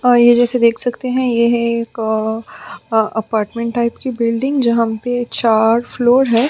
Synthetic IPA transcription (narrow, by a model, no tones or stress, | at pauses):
jed͡ʒɛːsed̪eːkʰsɐkt̪eɦɛ̃jeɦɛeːk | ɐpaːɾʈmɛ̃ɳʈaːɪpkibɪlɖɪ̃ŋɡd͡ʒɐɦãpet͡ʃaːɾfloːɾɦɛː